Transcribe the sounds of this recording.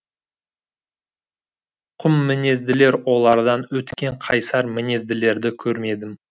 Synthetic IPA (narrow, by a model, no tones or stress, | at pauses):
qʰʊmːɪne̞zd̪ɪle̞ɾwo̞lˠɑɾd̪ɑnwɵt̪kʲe̞ɴqʰɑjsɑɾmɪne̞zd̪ɪle̞ɾd̪ɪkʲʰɵɾme̞d̪ɪm